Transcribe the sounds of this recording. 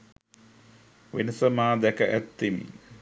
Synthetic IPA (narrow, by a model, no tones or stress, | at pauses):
ʋenəsəmaːd̪ækəʔæt̪ːimḭ